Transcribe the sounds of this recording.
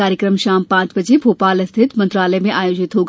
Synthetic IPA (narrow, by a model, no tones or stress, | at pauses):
aːɾjəkɾəmʃaːmpãːt͡ʃbɐd͡ʑebʱoːpaːlɐst̪ʰɪt̪mɐ̃nt̪ɾaːləjmẽʔaːjoːd͡ʑɪt̪ɦoːɡ